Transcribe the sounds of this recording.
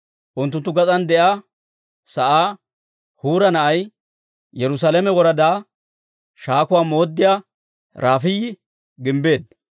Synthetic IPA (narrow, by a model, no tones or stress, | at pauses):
ʔʊnt̪ːʊnt̪ːʊɡɐt͡sʼɐnd̪ɛʔaː | sɐʔaː | huːɾɐnɐʔɐj | jɛɾʊs̬aːlɛmɛwɔɾɐd̪aː | ʃaːkʊwaːmo̞ːd̪ːɪjaː | ɾʔaːfɪjɪ | ɡɪmbe̞ːd̪